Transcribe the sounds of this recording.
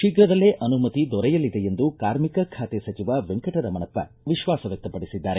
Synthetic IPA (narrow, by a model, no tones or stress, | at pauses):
ʃiɡɾɐd̪ɐlːeːʔɐnumɐt̪id̪ɔɾɛjɐlːid̪ejend̪ukaːɾmikɐkʰaːt̪esɐt͡ʃiʋaːʋeŋkɐʈɐɾɐmɐnɐpːɐ̰ | ʋiʃʋaːsɐʋjɐk̚t̪ɐpɐɽisid̪ːaːɾe